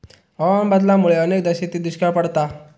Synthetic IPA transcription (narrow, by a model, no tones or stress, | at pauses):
əʋambad̪lamuɭeənek̚d̪əɕet̪id̪uɕkapəɽt̪a